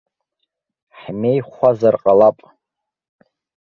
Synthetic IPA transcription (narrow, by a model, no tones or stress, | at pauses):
ħmejχʷazarqʼalapʼ